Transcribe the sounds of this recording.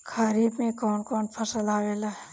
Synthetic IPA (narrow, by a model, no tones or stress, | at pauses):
kʰaːɾiːbmẽkɔːnkɔːnpʰəsəlaːweːlaɦɛ